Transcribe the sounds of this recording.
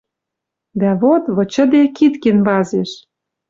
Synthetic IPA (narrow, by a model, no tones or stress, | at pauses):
d̪æβot̪βɤ̆t͡ɕə̆d̪ekit̪kenβɑzeʃ